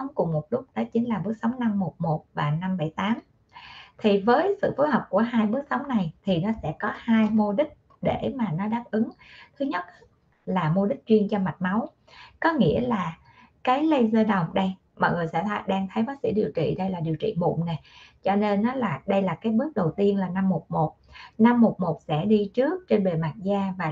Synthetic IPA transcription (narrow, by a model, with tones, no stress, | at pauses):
wŋ͡mkʊ˨˩ŋ͡mmo˨˩t̚lʊ˦˥k͡p̚ɗɔ˨˦t͡ɕï˨˦ŋlaː˨˩ɓɨ˦˥ək̚sə˨˦wŋ͡mna˧mːo˨˩t̚mo˨˩t̚vaː˨˩na˧mɓə˧˩jt̪aː˨˦m | t̪ʰi˨˩vəː˨˦jsɨ̰˧˨fu˨˦jhəː˨˩k͡p̚ku˧˩əɦaː˧jɓɨ˦˥k̚sə˨˦wŋ͡mna˨˩jt̪ʰi˨˩nɔ˨˦sɛ̰˧˥kɔ˨˦haː˧jmo˧ɗï˦˥k̚ | ɗe˧˩maː˨˩nɔ˨˦ɗaː˦˥p̚ʔɨ˨˦ŋt̪ʰɨ˨˦ɲə˦˥t̚ | laː˨˩mo˧ɗï˦˥k̚t͡ɕwi˧ənt͡ɕɔ˧ma˨˩t̚ma˨˦w | kɔ˨˦ŋḭ˧˥əlaː˨˩ | kaː˨˦jlə˧jzəː˧ɗə˨˩wŋ͡mɗə˧j | mɔ̰˧˨jŋɨ˨˩jsɛ̰˧˥˨ɗaː˧ŋt̪ʰə˨˦jɓaː˨˦k̚sḭ˧˥ɗi˨˩əwt͡ɕḭ˧˨ɗə˧jlaː˨˩ɗi˨˩əwt͡ɕḭ˧˨mṵ˧˨ŋ͡mne˨˩t͡ɕɔ˧ne˧nːɔ˨˦laː˨˩ɗə˧jlaː˨˩kaː˨˦jɓɨ˦˥ək̚ɗə˨˩wt̪i˧ənlaː˨˩na˧mːo˨˩t̚mo˨˩t̚na˧mːo˨˩t̚mo˨˩t̚sɛ̰˧˥ɗi˧t͡ɕɨ˦˥ək̚t͡ɕe˧nɓe˨˩maː˨˩t̚zaː˧vaː˨˩